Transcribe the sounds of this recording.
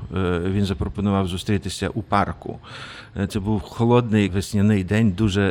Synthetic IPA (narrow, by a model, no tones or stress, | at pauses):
ʋʲinzɐpɾɔpɔnʊʋɑwzʊst̪ɾʲit̪ɪsʲɐ̰ʔupɑrkʊ̰ | t̪sɛbuwxɔlˠɔd̪nɪjʋesʲnʲɐnɪjd̪ɛnʲd̪uʒɛ